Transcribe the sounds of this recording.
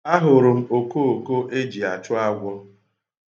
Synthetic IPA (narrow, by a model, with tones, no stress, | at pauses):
a˦ɦʊ˨ɾʊ˨m̩˦o˨ko˦o˨ko˦ʔe˦d͡ʒi˨a˨t͡ʃʊ˦a˦ɡʷɔ˦